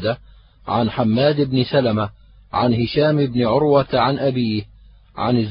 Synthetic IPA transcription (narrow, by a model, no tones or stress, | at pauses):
d̪a | ʕanħamːaːd̪ɪbnɪsalama | ʕanhɪʃaːmɪbnɪʕʊɾwat̪ʕanʔabiːh | ʕa̰nɪzː